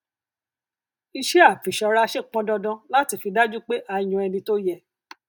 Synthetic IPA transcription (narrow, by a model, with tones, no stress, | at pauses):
i˧ʃe˦a˦˨fi˨ʃɔ˧ɾa˦˧ʃe˦˨k͡pɔ̃˦dɔ˧dɔ̃˧la˦ti˧fi˧da˦d͡ʒu˦k͡pe˦ʔa˧˨j̃ũ˧ɛ˧nĩ˧to˦jɛ˦˨